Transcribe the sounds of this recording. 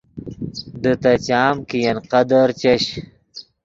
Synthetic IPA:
d̪ət̪ɐt͡ɕaːmkijɐnqɐd̪ɐɾt͡ɕɐɕ

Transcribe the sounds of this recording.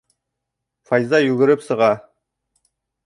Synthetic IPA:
fɑjzɑjʉɡʲɪɾɪpsəʁɑ

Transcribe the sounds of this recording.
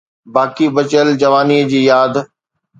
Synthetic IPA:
baːkibɐt͡ɕəld͡ʑɐʋaːniːəd͡ʑiːjaːd̪

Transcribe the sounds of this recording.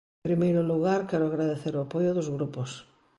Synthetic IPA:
pɾimejɾʊluɣaɾkɛɾʊaɣɾaðeθeɾʊapojʊðozɣɾupos

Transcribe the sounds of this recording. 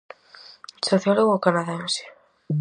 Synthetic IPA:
soθjoloɣokanaðensjḁ

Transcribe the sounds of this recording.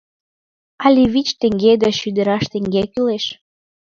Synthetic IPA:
ɑlʲiβit͡ɕt̪ĕŋɡed̪ɑʃyd̪ə̆ɾɑʃt̪ĕŋɡekyleʃ

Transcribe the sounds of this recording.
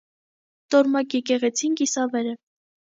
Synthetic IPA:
t̪ɔɾmɑkjɛkɛʁɛt͡sʰinkisɑvɛɾə

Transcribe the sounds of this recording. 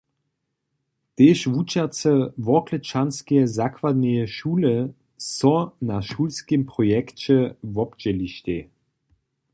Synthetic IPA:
t̪eːʃvut͡ʃat͡səvɔklət͡ʃanskɛzakvad̪nɛjɛʃuːlə | sɔnaʃulskempʁɔjɛkt͡ɕɛvɔpd͡ʒɛliʃtʲe

